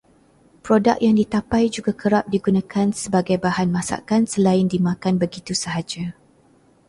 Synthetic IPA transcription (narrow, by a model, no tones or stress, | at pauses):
pɾodak̚jaŋdit̪apajd͡ʒuɡakʰəɾap̚diɡunãkʰansəbaɡajbahanmãsa̰kansəlaɪndimãkanbəɡit̪usəɦad͡ʒa